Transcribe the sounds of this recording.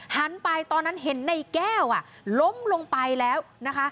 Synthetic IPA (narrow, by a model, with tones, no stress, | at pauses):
ha˨˦npa˧jt̪ɔː˧nːa˦˥nɦe˨˩˦nːa˧˩jkɛː˥˩wʔa˨˩ʔ | lo˦˥mlo˧ŋpa˧jlɛː˦˥wna˦˥kʰa˦˥ʔ